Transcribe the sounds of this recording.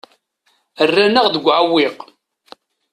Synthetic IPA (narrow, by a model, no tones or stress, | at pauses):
ərːænaʁðəɡʷːʕawːɪq